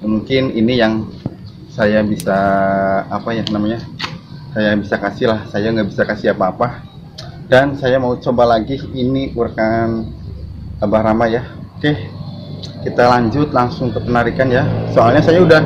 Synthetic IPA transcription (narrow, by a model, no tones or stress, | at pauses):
muŋkɪninijaŋ | sajabisaː | pajanamaɲa | sajabisakasɪɦlahsajaŋɡaʔbisakasiapaːpa | dansajamaut͡ʃobalaɡiiniurkan | abahɾamajaokeh | kit̪alaɲd͡ʒʊt̪laŋsʊŋkəpənaɾikanjasoalɲasajauda